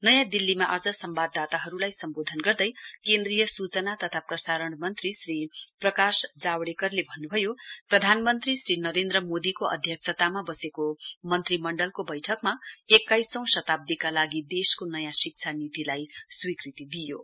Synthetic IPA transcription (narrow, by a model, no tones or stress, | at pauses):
nʌjãd̪ilːimaʔad͡zʌsʌmbad̪ːat̪aɦʌɾulajsʌmbod̪ʱʌnɡʌrd̪ʌjkend̪rijʌsut͡sʌnat̪ʌt̪ʰaprʌsaɾʌɳmʌnt̪risriprʌkasd͡zawɽekʌrlebʱʌnːubʱʌjoprʌd̪ʱanmʌnt̪risɾinʌɾend̪rʌmod̪ikoʔʌ̰d̪ʱjʌk̚sʰʌt̪amabʌsekomʌnt̪rimʌɳɖʌlkobʌjʈʰʌkmaekːajsʌ̃w̃sʌt̪ab̚d̪ikalaɡid̪eskonʌjãsik̚t͡sʰanit̪ilajswikrit̪id̪ijo